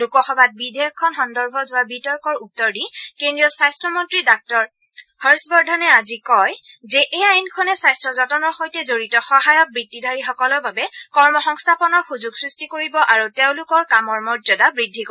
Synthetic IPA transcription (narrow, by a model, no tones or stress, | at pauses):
lukɔxɔbat̚bidʱekkʰːɔnxɔndɔɹbʱɔzʊwabitɔɹkɔɹutːɔɹdikendɹiɔsajstʰɔmɔntɹidak̚tɔɹ | hɔɹsbɔɹdʱɔnɛazikɔjzɛʔejajnkʰɔnɛsajstɹɔzɔtɔnɔɹxojtɛzoɹitɔxɔɦajɔk̚bɹidːidʱaɹixɔkɔlɔɹbabɛkɔɹmɔxɔŋstʰapɔnɔɹxuzuɡsɹistikoɹibɔʔaɹuteʊ̃lʊkɔɹkamɔɹmɔzɔdabɹidʱːiko